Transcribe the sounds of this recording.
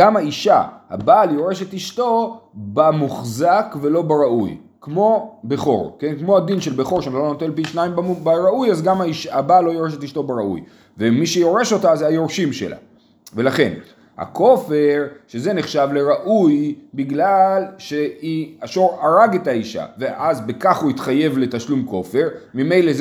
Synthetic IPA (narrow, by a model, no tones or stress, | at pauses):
amhaiʃa̰ha̰baljo̞ʁe̞ʃe̞t̪iʃto̞bamuχzakve̞lo̞beʁaʔṵj | kmo̞be̞χo̞̰ʁke̞nkmo̞had̪inʃelbe̞χo̞ʁʃamlonot̪elpiʃnajimbbaʁaujazɡamaiʃabalːo̞joʁeʃ̬et̪iʃt̪o̞beʁaʔṵj | vemiʃejo̞ʁe̞ʃo̞tazajo̞ʁʃimʃḛla̰ | ve̞laχe̞̰n | ha̰ko̞fe̞ʁʃeze̞neχʃavle̞ʁaʔujbiɡlalʃeiaʃo̞ʁaʁaɡe̞taiʃa̰veʔazbekaχuit̪χaje̞vle̞taʃlumko̞fe̞ʁmime̞jlez